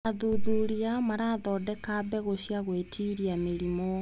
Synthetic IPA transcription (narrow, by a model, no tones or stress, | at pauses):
aðuðuɾiamaɾaðɔːdɛkabɛɣoɕiaɣwetʰiɾiameɾimo